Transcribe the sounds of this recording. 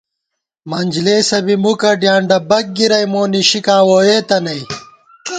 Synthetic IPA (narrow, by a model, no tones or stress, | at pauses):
mɐnʲd͡ʑleːsɐbimukɐɖjaːɳɖɐbɐk̚ɡiɾɐjmoːniɕikãːwoːjeːt̪ɐnɐj